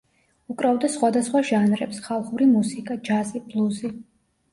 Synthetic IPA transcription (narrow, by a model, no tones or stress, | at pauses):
ukʼɾavd̪asχwad̪asχwaʒanɾɛpsχalˠχuɾimusikʼad͡ʒazib̥lˠuzi